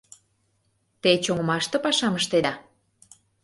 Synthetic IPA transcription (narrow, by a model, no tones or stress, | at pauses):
t̪et͡ɕoŋə̆mɑʃt̪ɤ̆pɑʃɑməʃt̪ed̪ɑ